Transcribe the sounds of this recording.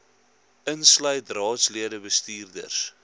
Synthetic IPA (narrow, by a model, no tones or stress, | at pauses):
ʔənslœjtrɑːtsliədəbəstiːrdə̰rs